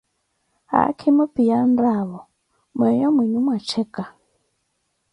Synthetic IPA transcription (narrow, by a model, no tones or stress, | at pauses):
a̰kʰimɔpijandaβɔ | mɛjɔmwiɲumwat͡ʃʰɛka